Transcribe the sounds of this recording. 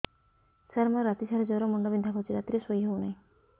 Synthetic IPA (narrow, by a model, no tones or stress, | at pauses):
saɾmɔɾat̪isaɾɔd͡ʒɔwɾɔmuɳɖɔbind̪ʱakʰɔt͡ʃiɾat̪iɾesoiɦewnaĩ